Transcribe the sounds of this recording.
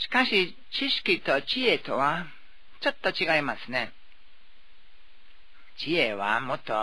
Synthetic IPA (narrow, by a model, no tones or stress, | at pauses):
ɕi̥kaɕi | t͡ɕiɕi̥kʲit̪ot͡ɕiet̪oβa | t͡ʃot̪ːot͡ɕiɡaimasɨ̥ne | t͡ʃieβa̰mot̪o̰